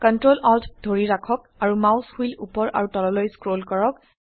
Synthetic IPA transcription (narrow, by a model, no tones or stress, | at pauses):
kɔntɹolɔltʰdʱoɹiɹakʰɔk̚ | aɹumawshilupɔɹʔa̰ɹutɔlɔlɔjskɹolkɔɹɔk̚